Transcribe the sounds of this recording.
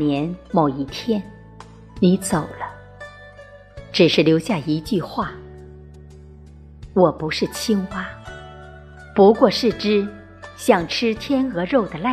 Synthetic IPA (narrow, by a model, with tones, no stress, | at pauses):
njɛ˧˥nmo˨˩ʊi˥˩t̪ʰjɛ˥n | ni˧˥t͡so˨˩ʊlə˦ | ʈ͡ʂɻ̩˨˩ʂɻ̩˥˩ljo˧˥ʊɕja˥˩i˧˥t͡ɕy˥˧xwa˥˩ | wɔ˨˩pu˧˥ʂɻ̩˥˩t͡ɕʰi˥ŋpa˥ | pu˧˥kwɔ˥˧ʂɻ̩˥˩ʈ͡ʂɻ̩˥ | ɕjɑ˥˩ŋʈ͡ʂʰɻ̩˥t̪ʰjɛ˥nxɤ˧˥ɻo˥˩ʊd̪ə˩la˥˩